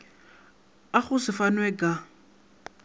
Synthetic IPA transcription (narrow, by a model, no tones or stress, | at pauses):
aχʊsɪfanwɛɡa